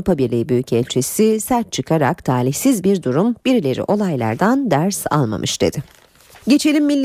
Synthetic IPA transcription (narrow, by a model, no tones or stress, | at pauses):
upʰabiɾlʲiːbyjycʰɛlʲt͡ʃʰisisæɾt̪̚t͡ʃʰɯkʰaɾa̰kt̪ʰaːɾiçsizbiɾd̪uɾumbiɾilʲe̞ɾḭʔo̞lˠajlˠa̰ɾd̪and̪æɾsa̰lˠma̰mʔɯʃd̪̥e̞̰d̪̥ɪ | ɟe̞t͡ʃʰe̞lʲimːilʲː